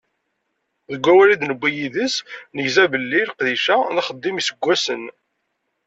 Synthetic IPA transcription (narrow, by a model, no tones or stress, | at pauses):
ðəɡʷːæwælid̪nəbʷːijiðəsnəʝzæbəlːilqðiʃænæχəd̪ːimisəɡʷːæsən